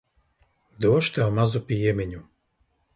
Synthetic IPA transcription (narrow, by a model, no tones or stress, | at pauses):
d̪uɔʃt̪ɛɔmazupijɛmɛɲu